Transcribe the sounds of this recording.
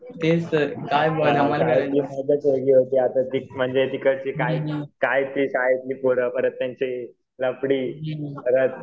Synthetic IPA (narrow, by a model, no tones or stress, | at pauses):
t̪esəɾkajməaaeliːməd̪ʱəsəɾɡiːɦot̪iːat̪ad̪ik̚m̤əɳd͡zed̪ikəɾt͡ɕikajkajt̪ɾiːɕaɦed̪liːpoɽəpəɾət̪ːjãɲt͡ɕe | ləpɽiːpəɾət̪̚